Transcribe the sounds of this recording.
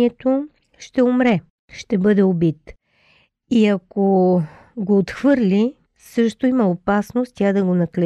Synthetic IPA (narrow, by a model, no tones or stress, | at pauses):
ɛt̪o | ʃt̪ɛomɾɛ | ʃt̪ɛbɤd̪ɛobit̪ | iɐko | ɡoːt̪xvɤɾlʲi | sɤʃt̪oimɐopasnost̪t̪ʲad̪ɐɡonɐklɛ